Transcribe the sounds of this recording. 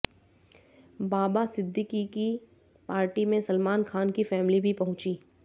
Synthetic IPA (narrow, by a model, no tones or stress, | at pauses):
baːbasɪd̪ʱːɪkiki | paːɾʈimẽsɐlmaːnkʰaːnkifɛːmlibʱipɐɦʊ̃t͡ʃiː